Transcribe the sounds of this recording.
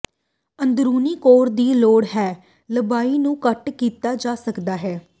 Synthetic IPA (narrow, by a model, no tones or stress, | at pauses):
ənd̪ɾuːniːkoːɾd̪iːloːɽɦɛː | ləbaːiːnũːkəʈkiːt̪aːd͡ʒaːsəkd̪aːɦɛː